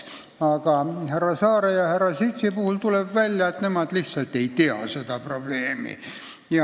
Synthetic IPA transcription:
ɑkɑherːɑsɑːɾejɑherɑsit̪sipuhult̪ulebʋælʲjæet̪nemɑt̪lisːɑlt̪ːeit̪eɑ̰set̪ɑprob̥leːmḭ | jɑ

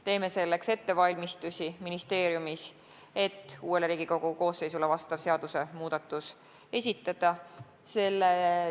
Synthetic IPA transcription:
t̪e̞ːme̞se̞lːe̞kse̞t̪ːe̞vɑlʲmist̪usʲiminist̪e̞ːɾjumis | e̞t̪ːuːe̞leɾiːɡ̥iko̞ɡ̥uko̞ːsːe̞jsulevɑst̪ɑvse̞ɑd̪̥use̞muːd̪̥ɑt̪ːˑus | e̞sʲit̪ːˑɑd̪̥ɑ | se̞lːe

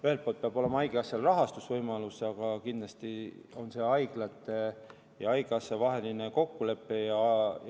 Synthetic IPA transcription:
yhe̞lt̪̚polt̪̚peɑb̥o̞lemɑɑjɡ̥eɑsɑlrɑɦɑst̪usvɤjmɑlusɑɡ̥ɑkind̪lɑst̪io̞nse̞ɑjɡ̥lɑt̪ːˑe | jɑɑjɡ̥eɑsːɑvɑɦe̞lineko̞kːule̞pːˑejɑ

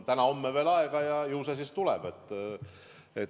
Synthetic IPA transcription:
t̪ænɑo̞mːeve̞ːlɑeɡ̥ɑjɑjɯwsesist̪ulɛ̰b̥et̪ːˑ | et̪

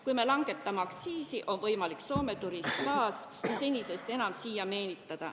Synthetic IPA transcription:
kujme̞lɑŋɡ̥e̞t̪ːˑɑmeɑkt̪siːsiʔo̞nvɤjmɑlikso̞ːme̞t̪uɾiskɑːsjɑse̞nʲise̞st̪e̞nɑmsijɑme̞ːnit̪ːˑɑd̪̥ɑ

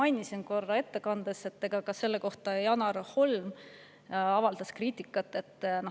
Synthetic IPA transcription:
ɑjnʲisinko̞rːɑe̞t̪ːe̞kɑnd̪̥ese̞t̪ːe̞ɡ̥ɑkɑse̞lːeko̞ht̪ɑjɑnɑɾho̞lm | ɑvɑld̪̥ɑskriːt̪ʲːˑikːˑɑt̪ːˑe̞t̪ːˑno

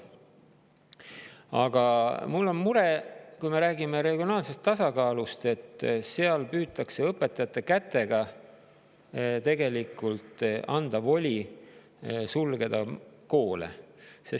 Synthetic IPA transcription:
ɑ̰ɡ̥ɑmulːo̞nmuɾekujme̞ɾæːɡimeɾe̞ɡ̥io̞nɑːlse̞st̪ːɑsɑkɑːlust̪e̞t̪ˑːse̞ɑlpyːt̪ːˑɑkse̞ɤpːˑet̪ːˑɑjɑt̪ːˑekæt̪ːˑe̞ɡ̥ɑ | t̪e̞ɡe̞likult̪ˑɑnd̪̥ɑvo̞lʲi | sulɡ̥e̞d̪̥ɑko̞ːlḛses

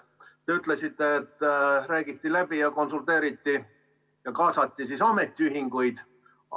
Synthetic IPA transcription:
t̪e̞yt̪ːˑle̞sit̪ːe̞ːt̪ːˑɾæːɡ̥it̪ːilæb̥ijɑko̞nsult̪ˑe̞ːɾit̪ːi | jɑkɑːsɑt̪ːisisɑme̞t̪ːˑiyɦiŋɡ̥ujd̪̥

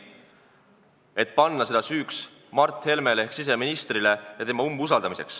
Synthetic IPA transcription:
e̞t̪̚ˑpɑnːɑse̞d̪ɑsyːks | mɑrt̪ːhe̞lme̞lehksis̬e̞minist̪rile̞jɑt̪e̞mɑumbusɑld̪̥ɑmise̞̰ks

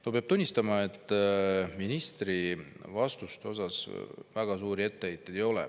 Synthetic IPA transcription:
nopeɑb̥̚t̪unʲːist̪ɑmɑe̞t̪ːˑminist̪rivɑst̪ust̪eo̞sɑsvæɡ̥ɑsuːɾie̞t̪ːeejt̪ːˑed̥̪ejo̞lɛ̰

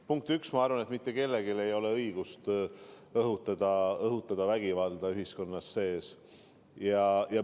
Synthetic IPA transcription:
puŋk̚t̪yksmɑɑɾvɑnet̪mit̪ːe̞ke̞lːe̞ɡile̞jo̞le̞ɤ̞jɡ̥ust̪ | ɤɦut̪ːˑɑd̪̥ɑɤɦut̪ːˑɑd̪̥ɑvæɡ̥ivɑld̪̥ɑyɦhisko̞nːɑsːe̞ːs | jɑjɑ

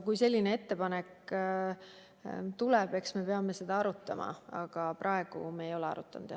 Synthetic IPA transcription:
kujse̞lʲːine̞e̞t̪ːe̞pɑnek | t̪ulɛb̥e̞ksme̞pe̞ɑme̞se̞d̪̥ɑɑɾut̪ːˑɑmɑ̰ɑ̰ɡ̥ɑprʔɑe̞ɡ̥ṵmeːjo̞leɑ̰ɾṵt̪ːˑɑ̰nd̪̥jɑ

